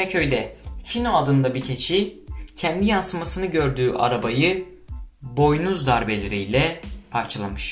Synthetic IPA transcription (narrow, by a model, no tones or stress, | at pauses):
ɛcʰø̞jd̪ɛfinoad̪ɯnd̪abicʰet͡ʃʰicʰɛnd̪ijansɯmasɯnɯɟø̞ɾd̪yːʔa̰ɾabajɯ | bo̞jnuzd̪aɾbelʲeɾijlʲɛpʰaɾt͡ʃʰalˠamɯʃ